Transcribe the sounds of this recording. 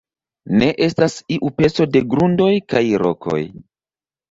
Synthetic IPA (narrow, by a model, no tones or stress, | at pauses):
ne̞ʔe̞stasiʔupe̞t͡so̞de̞ɡɾundo̞jkajɾo̞̰kʰo̞̰j